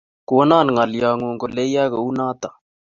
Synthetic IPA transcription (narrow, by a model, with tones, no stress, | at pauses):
ku˨˦naː˦˨n˨ŋa˨lja˨ŋu˨ŋko˨le˦ja˦ka˨u˦naː˦t̪a˨